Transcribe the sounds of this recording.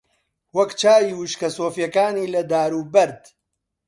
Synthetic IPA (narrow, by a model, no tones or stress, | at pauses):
wɐkt͡ʃaːjiwɨʃkɐsoːfjɐkaːniːlɐd̪aːɾuːbɐɾd̪